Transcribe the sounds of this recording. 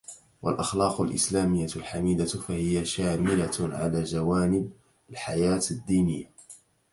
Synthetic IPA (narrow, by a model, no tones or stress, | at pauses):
wa̰lʔaxlɑːqʊlʔɪ̰slaːmɪjːalħamiːd̪afahɪjaʃaːmɪlaʕa̰laːd͡ʒawaːnɪb̚ | alħajaːt̪ad̪ːiːnɪjːa